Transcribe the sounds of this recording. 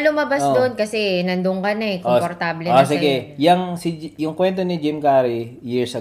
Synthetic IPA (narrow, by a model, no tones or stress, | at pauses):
lʊmɐbasd̪onkɐsɛnɐnd̪ʊŋkɐnɐɛkopoɾt̪aːblɛosɪɡɛjɐŋsɪjʊŋkwɛnt̪onɪd͡ʒɪmkaːɾijiɹsɐ